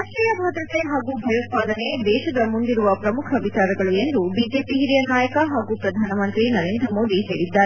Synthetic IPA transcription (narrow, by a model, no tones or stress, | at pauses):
aʃɾijɐbʱaːd̪ɾɐt̪eɦaːɡubʱɐjɐt̪̚paːd̪ɐned̪ɛːʃɐd̪ɐmund̪iɾuʋɐpɾɐmukʰɐʋit͡ʃaːɾɐɡɐɭue̞nd̪ubiːd͡ʒe̞ːpiɦiɾijɐnaːjɐkɐɦaːɡupɾɐd̪ʱaːnɐmɐnt̪ɾinɐɾeːnd̪ɾɐmo̞ːd̪iseːɽid̪ːaːɾe